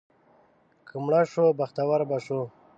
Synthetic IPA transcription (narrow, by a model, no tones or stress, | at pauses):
kʰəmɳaʂobaxt̪awaɾbaʂo